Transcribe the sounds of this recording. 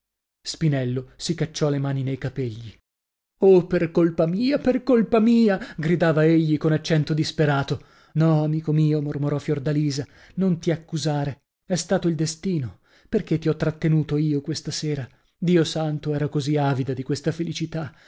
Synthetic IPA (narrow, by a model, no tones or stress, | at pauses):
spinɛlːosikat͡ʃːɔlemaːninejkapeʎːi | operkolpamiːaperkolpamiːaɡɾid̪aːvaeʎːikonat͡ʃːɛnt̪od̪ispeɾaːt̪o | nɔamiːkomiːomormoɾɔfjord̪aliːza | nont̪iakːuzaːɾe | ɛst̪aːt̪oild̪est̪iːno | perk̟et̪ːiɔt̪ːɾat̪ːenuːt̪oiːokwest̪aseːɾa | d̪iːosant̪oɛːɾakoziaːvid̪ad̪ikwest̪afelit͡ʃit̪a